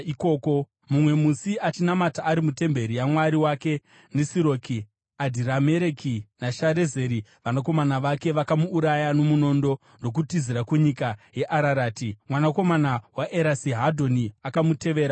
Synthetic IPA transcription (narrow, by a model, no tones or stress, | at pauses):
iko̞ːko̞ | mumwe̞musiat͡ʃinamataːɾimute̞mbe̞ɾijamwaɾiwake̞ | nesiɾo̞ːki | adʱiɾameɾekʰinaʃaɾe̞ze̞ːɾiʋanako̞manaʋake̞ʋakamuːɾajano̞muno̞ːndo̞ | no̞k̬utiziɾakuɲikaje̞ʔaɾaɾaːtimwanako̞manawaʔe̞ɾasiɦadʱo̞niakamute̞ʋe̞ːɾa